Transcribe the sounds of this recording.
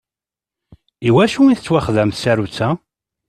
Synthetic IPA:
iwæʃuiθət͡sːwæχðæmθsæɾut͡sːæ

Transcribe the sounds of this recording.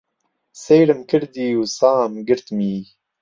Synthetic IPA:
seːjɾɨmkʰɨɾd̪iːwsaːmɡɨɾt̪miː

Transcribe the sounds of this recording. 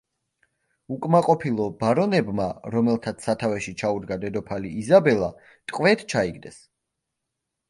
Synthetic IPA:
ukʼmaqʼɔpʰilˠɔbaɾɔnɛbmaɾɔmɛlˠt̪ʰat̪sʰsat̪ʰavɛʃit͡ʃʰaud̪ɡad̪ɛd̪ɔpʰaliːzabɛlˠa | t̪ʼqʼwvɛt̪ʰt͡ʃʰaiɡd̪ɛs

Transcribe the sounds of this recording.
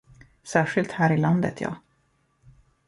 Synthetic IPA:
sæːʂɪlt̪hæːɾɪland̪ə̰t̪ʰjɑ̰ː

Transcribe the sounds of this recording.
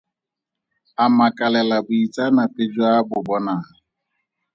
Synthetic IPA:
amakalɛlabʊitanaped͡ʒuabʊbɔnaɦa

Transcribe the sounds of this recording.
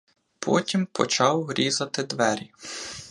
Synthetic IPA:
pʰɔ̰tʲimpʰɔ̰t͡ʃɑwɾʲizɐt̪ɪd̪ʋɛɾʲi

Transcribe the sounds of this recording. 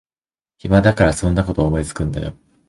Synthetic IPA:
çimad̪akaɾasõ̞nːako̞t̪o̞ːmo̞it͡sɨ̥kɯ̟̃nd̪a̰jo̰

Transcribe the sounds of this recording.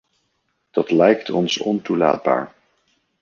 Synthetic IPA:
d̥ɑtlɛjktʰɔnsɔntula̰ːd̚ba̰ːɹ

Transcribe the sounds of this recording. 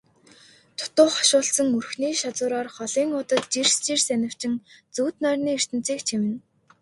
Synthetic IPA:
t̪ʰʊ̥t̪ʊːχḁʃʊːɮsə̆ŋɵrxniːʃat͡sʊːɾɔːrχɔɮiːŋʊt̪ə̆t̪̚t͡ɕirst͡ɕirsænʲɪ̆w̥t͡ɕɪ̆ŋt͡suːt̪nœːrniːir̥t̪ɘ̆n̥t͡siːkt͡ɕʰimɘ̆n

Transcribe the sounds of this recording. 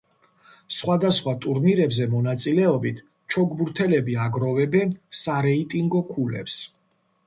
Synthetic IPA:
sχwad̪asχwat̪ʼuɾniɾɛbzɛmɔnat̪sʼilɛɔbit̪ʰ | t͡ʃʰɔɡbuɾt̪ʰɛlɛbiaɡɾɔvɛbɛnsaɾɛit̪ʼiŋɡɔkʰulɛ̰ps

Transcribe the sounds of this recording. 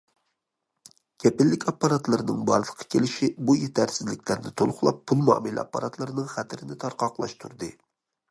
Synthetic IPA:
kʲʰɛpɪlːɪkʲɑpːɑɾɑt̪lˠɨɾnɨŋbɑ̰ɾld̪ˠəqʰːɑ̥kʲʰelɪʃibujet̪ʰæɾsɪzlɪkʲlæɾnɪt̪ʰolˠχʊlˠɑpʰːulˠmɑ̰ːmɪlɑ̰pːɑ̰ɾɑt̪ʰlˠɨɾɨnɨŋχæt̪ʰɪɾɪnɪt̪ʰɑɾqɑqlˠɑ̰ʃt̪ʰuɾd̪ɨ

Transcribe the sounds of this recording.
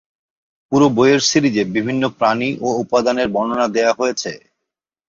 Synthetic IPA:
puɾobojeɾsiɾid͡ʑebibʱinːopɾaniʔoupad̪aneɾbɔnonad̪eoaɦojet͡ɕʰe

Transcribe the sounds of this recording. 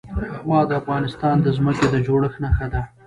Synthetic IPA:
wɑd̪əafɣɑnɪst̪ɑnd̪əzməked̪əd͡ʒoɽəxnaxad̪a

